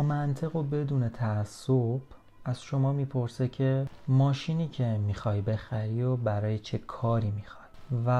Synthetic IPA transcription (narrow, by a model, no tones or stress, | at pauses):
mænt̪ʰe̞ɣo̞be̞d̪uːne̞t̪ʰææsːob̥ | æz̥ʃo̞mɒːmiːpʰo̞ɾse̞cʲʰe̞mɒːʃiːniːcʰe̞miːxɒːjbe̞xæɾiːɾobæɾɒːjet͡ʃʰe̞kʰɒːɾiːmixɒd̪̥væ